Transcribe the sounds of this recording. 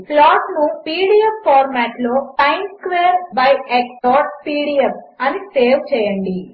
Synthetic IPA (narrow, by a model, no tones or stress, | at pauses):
plaːʈnupiːɽiepːaːɾmæːʈloːpɐjnskʋeːɾbɐjekspɔːʈ̚piːɽiep | ɐniseːʋt͡ʃɛːjɐɳɖi